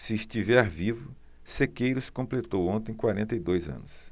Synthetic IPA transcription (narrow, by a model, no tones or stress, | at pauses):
sɪːst͡ʃivɛɾvivʊ | sekejɾʊskõmplet̪owõnt̪ẽj̃kwaɾẽnt̪ɐjd̪ojzɐ̰̃nʊs